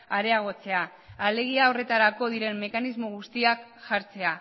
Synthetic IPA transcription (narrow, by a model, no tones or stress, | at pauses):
aɾe̞aɣ̞o̞t͡se̞aː | le̞ɣ̞iao̞re̞t̪aɾako̞ðiɾe̞mːe̞kanizmo̞ɣ̞ust̪iakʝaɾt͡se̞a